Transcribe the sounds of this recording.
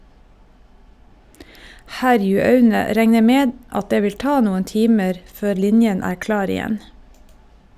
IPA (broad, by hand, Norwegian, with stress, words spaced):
ˈhæɾjʉɑʉnə ˈɾɛŋə ˈmeːd ˈɑt ˈdeː ˈʋɪl ˈtɑː ˈnuːən ˈtiːməɾ ˈføːɾ ˈlɪnjən ˈæːɾ ˈklɑːɾ ɪˈjɛn